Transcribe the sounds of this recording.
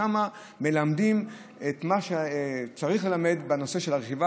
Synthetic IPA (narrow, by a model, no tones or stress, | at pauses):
ama | me̞lamdim | et̪maʃet͡saʁiχle̞lame̞dbeno̞se̞ʃe̞laʁeχiva